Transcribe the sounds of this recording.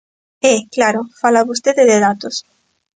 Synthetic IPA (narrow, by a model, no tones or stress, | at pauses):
eklaɾofalaβus̬t̪eðeðeðat̪os